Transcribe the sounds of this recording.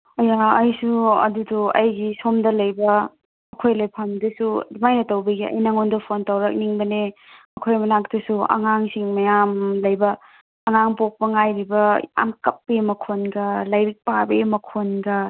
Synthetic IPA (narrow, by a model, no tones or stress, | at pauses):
ɐjaɐjsuɐ̰duduɐ̰jɡisomdɐlɐjbɐ | ɐkʰojlejpʰɐmdɐsumajnɐtɐwbɐɡiɐ̰jnaŋondɐpʰontɐwɾɐk̚niŋbɐnemɐkʰojmɐnak̚dɐsuɐ̰ŋaŋsiŋmɐjamlɐjbɐː | ŋaŋpok̚pɐŋajɾibɐja̰mkɐpːemɐkʰonɡɐlajɾik̚pabemɐkʰonɡɐ